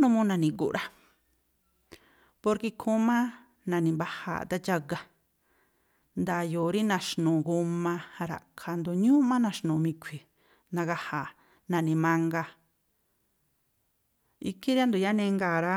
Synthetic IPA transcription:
nũ˧mũ˦nã˨˧˨nĩ˨kṵ˨˧ɾa˦ | po˧ɾki˧kʰũ˦mã˦ | nã˨nĩ˨mba˧ha̰˨t̪a˦t͡ʃa˦˧ɡa˧ | nd̪a˨jo˨ɾi˦nã˨ʃnũː˨ɡu˧mã˧ɾa̰˨kʰa˧nd̪o˧ɲũ˦mã˦nã˧ʃnũː˨mĩ˧kʷʰi˨ | nã˧ɣa˧ha˨ | nã˨nĩ˧˨mã˧ŋɡa˧ | i˧ki˦ɾa˦nd̪u˨ja˦nẽ˧ŋɡa˨ɾa˧

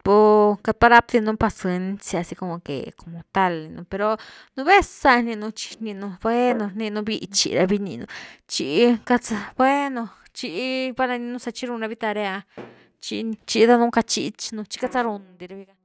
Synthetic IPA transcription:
po˧ka˧t̪̚pa˧ɾa˦p̚d̪i˧nũ˧pa˧sɨ˧nsa˧si˧ko˧mo˧kḛ˨ko˧mo˧t̪a˧li˧nũ˧pe˧ɾo˧ | nũ˧βe˦sa˧nĩ˧nũ˧t͡ʃi̥˧ni˧nu˧be˦nõ˧ni˧nũ˧bi˧t͡ʃḭ˧ɾa˧bi˧nḭ˧nṵ̃˧t͡ʃi˧ʔka˧t͡sa˧be˦no˧ | t͡ʃi˧˦ba˦la˧ni˧nũ˦sa˧t͡ʃi˦ɾu˧nɾa˧βi˦t̪a˧ɾe˧a˧ | t͡ʃi˧t͡ʃi˧d̪a˧nũ˦ka˧t͡ʃi˧t͡ʃnũ˧t͡ʃi̥˦ka˧t͡sa˦ɾu˧nd̪i˧ɾa˧bi˧ɡa˧

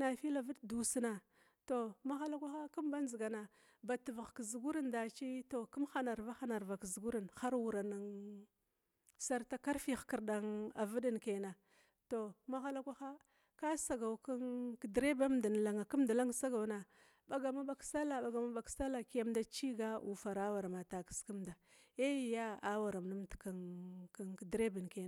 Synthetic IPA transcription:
na˨fi˦la˨vi˦ddu˨si˦na˨ | to˨ma˦xa˦la˦kʷa˦xa˦ku˦mba˦n˦zi˨ɡa˨na˨ | ba˨ti˨va˨ɣkzu˨ɡu˦ɾi˦nda˨t͡ʃi˦to˨ku˦mxa˦na˨ɾva˦xa˦na˨ɾva˨kzu˨ɡu˦ɾi˨nxa˦ɾwu˨ɾa˨na˨ŋ | sa˦ɾta˨ka˦ɾfi˦xki˨ɾɗa˨ŋa˨və˦di˦nke˨na˨ | to˨ma˦ɣa˦la˦kʷa˦xa˦ | ka˦sa˨ɡa˨wka˦ŋkdɾe˦ba˦mda˨n˨la˨ŋa˨ku˦m˦da˨la˦ŋ˦sa˦ɡa˨wna˨ | ɓa˨ɡa˨ma˦ɓa˦ksa˦la˨ɓa˨ɡa˨ma˦ɓa˨ksa˦la˨ki˦a˦mda˦t͡ʃi˦ɡa˦ʔu˨fa˨ɾa˦wa˨ɾa˨ma˨ta˨ki̥˨˦ski˦mda˨ | e˦˨ja˦a˦wa˨ɾa˨m˨na˦mtka˨ŋka˦ŋkdɾe˦bi˨nke˨

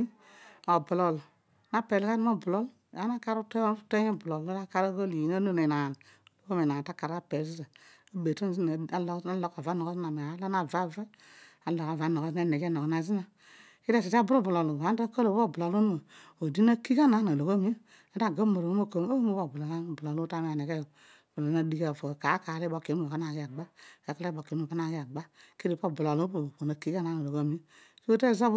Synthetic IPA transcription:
o˨bu˨lo˨l | na˦pe˨lka˦n˦o˦˨bu˨lo˦l | a˦na˦ka˦ɾu˦te˦te˦e˦˨bu˨lo˨lo˦a˦ka˦ɾo˦ɡo˦li˨ji˨na˦no˦ne˨na˨n˨ | lo˦ko˦me˨na˨ta˦ka˨ɾa˦pe˨zi˦za˨ | a˦be˨to˦n˦zi˦n˨a˦la˦lo˦ka˨va˨˦no˨ɡo˦zna˨me˨a˨a˨˦la˦na˨va˦ve˦ | a˦lo˨ka˨va˦no˨ɣo˦za˦ne˨ɡe˦no˨kna˨zi˦na˨ | ki˦ɾe˦˨s̬i˨ta˦bɾo˦˨bu˨la˨lu˨a˨˦n˦a˦ko˦lo˨˦o˦˨bu˨la˨lu˦n˦˨ | o˨di˦na˦ki˦ka˦na˨˦na˨lo˨ko˦mi˦ | a˦da˦˨ɡa˦mo˨ɾo˨˦mo˦ko˦m˦o˦mo˦bo˦˨bu˨la˨la˦˨bla˨lu˦ta˦m˦˨ne˨ke˦˨ | bla˨˦a˦di˦ka˨fo˨ka˨˦ka˨le˦bo˨ke˨˦˨o˨ka˦na˦˨ɡi˦a˨ɡ͡ba˦e˨˦ka˦le˦bo˨ke˨˦˨o˨a˦n˦a˨ɡi˦a˨ɡ͡ba˦ke˦ɾi˨po˦˨bu˨la˨lo˦po˨po˨na˨˦ki˦ka˦na˨˦na˨lo˨ko˦mi˦so˦te˦za˦b

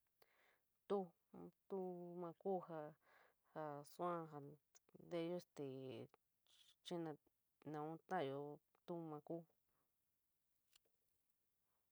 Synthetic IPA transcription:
t̪u˦ | t̪u˦mã˧ku˦ha˧ | ha˧su˦ã˦ɦa˨nd̪e˦o˦st̪i˨ | t͡ʃĩ˦nã˧ | nã˨ũ˦t̪ã˦˨jo˧ | t̪u˦mã˧ku˦

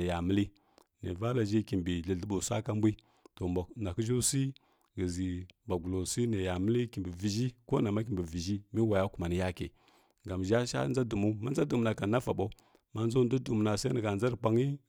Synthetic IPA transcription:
e˨ja˨mə˦li˦ | nḛ˨va˦la˨ʒi˦ki˨mbi˨ɮə˨ɮə˦ɓu˨sa˦ka˦m˦bʷi˦ | to˨na˨kə˦ʒo˦si˦ | ɡə˨zi˨ba˨ɡu˨lo˨si˦ne˨ja˨mə˦li˦ki˨mbi˨vi˨ʒi˦ko˦na˨ma˦k̬i˨bi˨vi˨ʒi˦mi˦wa˨ja˦ku˨ma˨ni˨ja˦kḛ˨ | ɡa˨mʒa˦ʃa̰˦nza˦du˨mu˦ma˦n˦a˦du˨m˨na˨ka˨na˦fa˨ɓo˦ | ma˦n˦zo˦˨n˦du˦du˨m˨na˨sa˦i˦nə˨ɡa˨nd͡za˦ɾpʷa˦ŋi˦

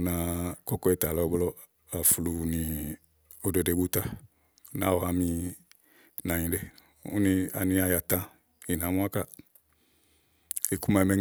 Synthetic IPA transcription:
nã˨kɔ˦kɔ˦e˨ta˨lɔ˨˦blɔ˦ | a˨fu˨lu˨nĩ˨ | o˨de˨de˨bu˦ta˦˨˦ | na̰˨wɔ˨a˨mĩ˧ | nã˨ɲĩ˨de˦˨ | ṵ˦nĩ˧a̰˨nĩ˧˦a˧˨ja˨tã˦ | i˨nã˨˦mũ˦a˦ka˦ | e˨ku˦ma˨mɛ˦

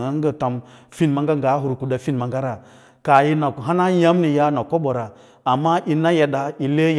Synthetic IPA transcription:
a˦ŋ˦ɡə˦ta˨mfi˦nma˦ŋɡa˦ŋɡa˨˦ɦu˨ɾku˨da˨fi˦n˨ma˨ŋɡa˦ɾa˨ | ka˨ji˦na˨ɦa˦na˦ja˦m˦ni˨ja˦na˨ko˦ɓo˨ɾa˨ | a˨mːa˦ʔi˨na˦ja˨da˨i˨le˦j

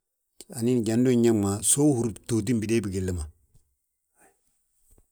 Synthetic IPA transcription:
a˨ni˦n˨ɟa˨ndu˦˨ɲa˦ma˨so˦hu˨˦ɾto˨t̬i˦mbi˨deː˦bi˨ɡe˨lːə˦ma˨

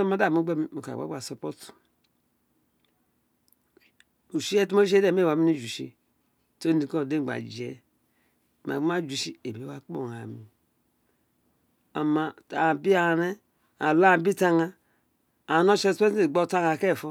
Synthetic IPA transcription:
o˦ma˦da˦˨mu˦ɡ͡be˦mi˨mo˨ka̰˨ba̰˨˦ɡ͡ba˨so˨po˦tu̥˨ | u˨ʃi˦e˦tu˦mo˦ʃ̬e˦de˦˨m˦e˦˨wa˨mi˦ni˦d͡ʒu˨ʃḭ˦ | to˦ni˨ko˦˨de˦˨ɡ͡ba̰˨d͡ʒi˨ḛ˨ | ma̰˨˦ma˦d͡ʒu˨ʃi˦ḛ˨be˨˦a˦k͡po̰˦˨ŋa˨mi˨ | a̰˨ma˨ta˨bi˦a˦˨ne˦ | a˨la˦˨bi˦ta˦ŋa˦ | a˨no˦ʃe˦spe˦se˨ɡ͡bo˦˨ta˦ŋa˨ke˦˨fo˦

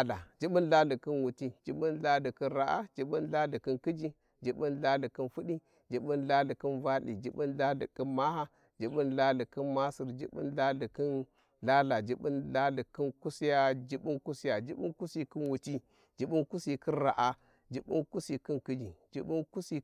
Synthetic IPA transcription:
la˨d͡ʒi˦ɓi˦nla˦li˨ki˦nwu˨ti˦d͡ʒi˨˦ɓi˦nla˦li˨ki˦nɾa˨ʔa̰˦d͡ʒi˨ɓi˦nla˦li˨ki˦nki˦d͡ʒi˦ | d͡ʒi˨ɓi˦nla˦li˨ki˦nfu˦ɗi˦ | d͡ʒi˨ɓi˦nla˦li˨ki˦nva˦lḭ˨d͡ʒi˦ɓi˦nla˦lḭ˨ki˦nma˦ha˦ | d͡ʒi˨ɓi˦nla˦li˨ki˦nma˦si˨ɾd͡ʒḭ˦ɓḭ˦nla˦li˨ki˦n | ɮa˦la˨d͡ʒi˦ɓi˦nla˦li˨ki˦nku˦si˦ja˦d͡ʒi˦ɓu˦nku˦si˦ja˨d͡ʒi˦ɓu˦ku˦si˨ki˦nwu˨ti˦ | d͡ʒi˨ɓu˦nku˦si˨ki˦nɾa˨ʔa˦ | d͡ʒi˦ɓṵ˦nku˦si˨ki˦nki˦d͡ʒi˨d͡ʒḭ˦ɓu˦nku˦si˨

